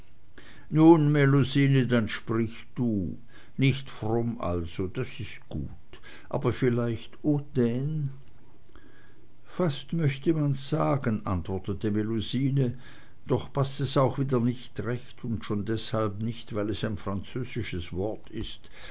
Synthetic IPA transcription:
nuːnmeluziːnədanʃpʁ̥ɪç | d̥uː | nɪçtfʁɔmʔa̰lz̥od̥asɪst̚ɡ̥ṵːt | ʔa̰ːbɐfɪlaɪçtoːd̥ɛn | fastmœçtəmanz̥aːɡənʔantv̥ɔɐtətəmeluziːnə | d̥ɔχpʰastɛsaʊxv̥iːdɐnɪçtʁɛçtʰʊntʃoːndɛshalpnɪçtv̥aɪlɛsaɪnfʁ̥ant͡søːzɪʃəsv̥ɔɐtʰɪst

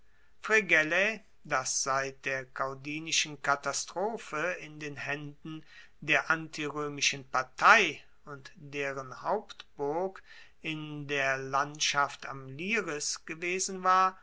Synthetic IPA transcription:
fʁ̥eɡɛle | dasz̥aɪt̚d̥eːɐkʰaʊdiːnɪʃn̩katastʁ̥oːfəɪndeːnhɛndn̩ | deːɐʔantʰiʁøːmɪʃənpaɐtʰaɪ | ʊntd̥eːʁənhaʊptb̥ʊɐk | ɪndeːɐlantʃafta̰mliːʁɪsɡ̥əveːzn̩vaːɐ

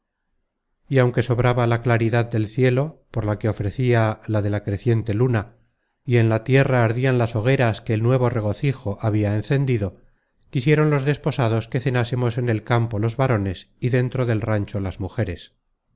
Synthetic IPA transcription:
iawŋke̞so̞βɾaβalaklaɾiðaðd̪e̞lθje̞lo̞po̞ɾlake̞o̞fɾe̞θialaðe̞lakɾe̞θje̞nt̪e̞luna | ie̞nlat̪je̞raːɾðianlaso̞ɣ̞e̞ɾaske̞ːlnwe̞β̞o̞re̞ɣ̞o̞θixo̞ʔaβiaenθe̞nd̪iðo̞ | kisje̞ɾo̞nlo̞zðe̞spo̞saðo̞ske̞θe̞nasemo̞se̞ne̞lkampo̞lo̞zβaɾo̞ne̞s | iðe̞nt̪ɾo̞ðe̞lrant͡ʃo̞lazmuxe̞ɾe̞s

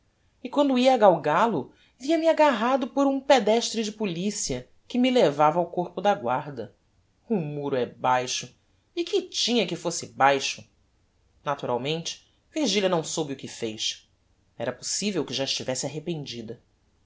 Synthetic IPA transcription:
ɪkwɐ̃nd̪ʊiɐːɡawɡalʊ | viɐmɪaɡaɦad̪ʊpoɾũped̪ɛʃt̪ɾɪd͡ʒɪpulisiɐ | kɪmɪlevavɐawkoɾpʊd̪ɐɡwaɾd̪ɐ | ʊmuɾʊɛbajʃʊ | ɪkɪt͡ʃĩɲɐkɪfosɪbajʃʊ | nat̪uɾa̰wmẽnt͡ʃɪ̥ | viɾʒiljɐnɐ̃w̃sobɪʊkɪfejʃ | ɛɾɐposivewkɪʒaɪʃt͡ʃivɛsɪaɦepẽnd͡ʒid̪ɐ

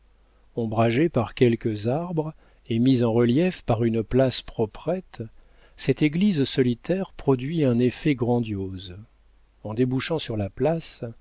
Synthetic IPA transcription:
ɔ̃bʁaʒepaʁkʲɛlkəzaʁbʁ | emizɑ̃ʁəljɛfpaʁynplaspχɔpχɛt̪ | sɛt̪eɡlizsɔlit̪ɛʁpχɔd̪ɥiɛ̃nefɛɡʁɑ̃d̪joz | ɑ̃d̪ebuʃɑ̃syʁlaplas

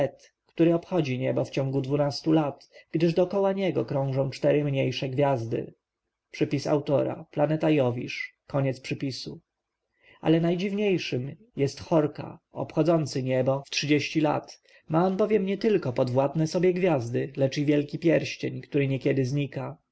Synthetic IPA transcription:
ɛt̪ | kt̪uɾɘɔpxɔd͡ʑiɲɛbɔft͡ɕɔ̃ŋɡud̪vunast̪ulat̪ɡ̥d̪ɘʐd̪ɔkɔwaɲɛɡɔkɾɔ̃w̃ʐɔ̃w̃t͡ʂt̪ɛɾɘmɲejʂɛɡvʲjazd̪ɘ̰ | pʂɘpʲisa̰wt̪ɔɾa̰planɛt̪ajɔvʲḭʂkɔɲɛt̪spʂɘpʲisu | ʔa̰lɛnajd͡ʑivɲejʂɘm | jɛst̪xɔɾka̰ɔ̰pxɔd̪zɔnt̪sɘɲɛbɔftʂɘd͡ʑeɕt͡ɕila̰t̪ | maɔnbɔvʲjɛmɲɛt̪ɘlkɔpɔd̪vwat̪nɛsɔbʲjɛɡvʲjazd̪ɘlɛt͡ʂivʲjɛlkʲipʲjɛɾɕt͡ɕeɲkt̪uɾɘɲɛkʲjɛd̪ɘzɲika

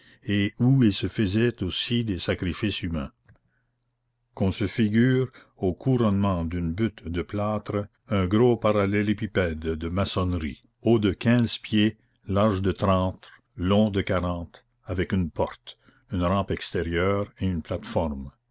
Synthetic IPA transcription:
euilsəfəzɛt̪osid̪esakɾifisymɛ̰̃ | kɔ̃səfiɡyːʁ | okʰuɾɔnmɑ̃d̪ynbyt̪d̪əplaːt̪ɾə | œ̃ɡɾopaɾalɛlepipɛd̪ːəmasɔnɾḭ | od̪əkʰɛ̃ːzpje | laʁʒd̪ət̪ɾɑ̃ːt̪ | lɔ̃d̪əkaɾɑ̃ːt̪ | avɛkynpɔʁt̪ | ynɾɑ̃ːpɛkst̪eʁjœːʁeynplat̪fɔʁm

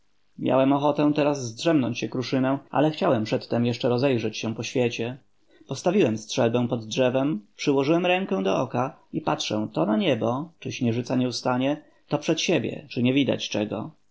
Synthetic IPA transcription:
mʲja̰wɛmɔxɔt̪ɛ̃t̪ɛɾazːdʐɛmnɔɲt͡ɕɕɛkɾuʂɘnɛ̃a̰lɛxt͡ɕawɛmpʂɛt̪ːɛmjɛʂt͡ʂɛɾɔzɛjʐɛt͡ɕɕɛpɔɕfʲjet͡ɕɛ | pɔst̪avʲiwɛmstʂɛlbɛw̃pɔd̪dʐɛvɛmpʂɘwɔʐɘwɛmɾɛŋkɛw̃d̪ɔ̰ɔkaipatʂɛ̰̃t̪ɔnaɲɛbɔt͡ʂɘɕɲɛʐɘt̪saɲɛust̪aɲɛ | t̪ɔpʂɛt̪ɕebʲjɛ̰t͡ʂɘɲɛvʲid̪a̰t͡ɕt͡ʂɛɡɔ̰

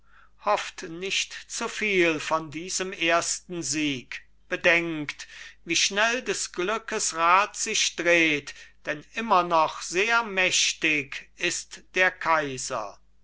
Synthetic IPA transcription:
hɔftnɪʃtt͡sufiːlfɔndiːzəmeːɐstn̩ziːk | b̥ədɛŋktviːʃnɛldɛsɡ̥lʏkəsʁaːtz̥ɪʃd̥ʁeːtd̥ɛnʔɪmɐnɔχz̥eːɐmɛɕtɪkɪstd̥eːɐkʰaɪzɐ̰

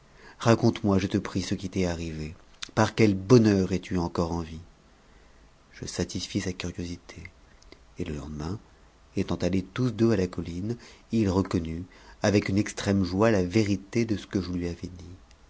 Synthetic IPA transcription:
ʁakɔ̃t̪mwaʒət̪əpχisəkʲit̪ɛaʁive | paʁkʲɛlbɔnœʁɛt̪yɑ̃kɔʁɑ̃vi | ʒ̥əsat̪isfisakʲyʁjozit̪ʰeː | ləlɑ̰̃d̪əmɛ̃ | et̪ɑ̃t̪alet̪usd̪øalakɔlinilʁəkɔnyavɛkynɛkst̪χɛmʒwalaveʁit̪ed̪əsə̥kəʒəlɥiavɛd̪i

